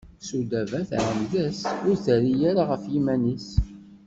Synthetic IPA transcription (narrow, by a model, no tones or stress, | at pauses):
sud̪ævæθæ̰ʕəmðæsʊɾθæɾijaɾaʁəfjimænis